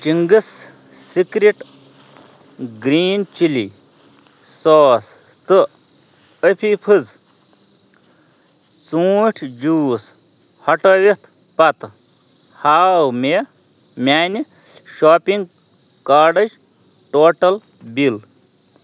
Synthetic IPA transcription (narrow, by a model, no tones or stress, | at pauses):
t͡ʃiŋɡɨs | sikɾiʈ | ɡɾiːnt͡ʃilḭ | soːs | t̪ɨ | əpʰipʰɨz | t͡suːʈʰd͡ʒuːs | hɐʈɐʋit̪ʰ | pɐt̪ | haːwme | mʲaːnʲi | ʃoːpiŋɡ | kaːɖɐd͡ʒ | ʈoːʈɐl | bil